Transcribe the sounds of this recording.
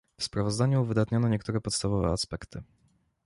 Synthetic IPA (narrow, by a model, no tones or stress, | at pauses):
fspɾavɔzd̪aɲuvɘd̪at̪ɲɔnɔɲɛkt̪uɾɛpɔt̪st̪avɔvɛ̰aspɛkt̪ʰɘ